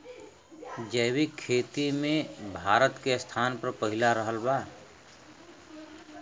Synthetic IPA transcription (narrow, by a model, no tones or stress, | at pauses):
d͡ʒəːbikʰeːt̪imẽbʱaːɾət̪kest̪ʰaːnpəɾpəɦɪlaɾəɦəlbaː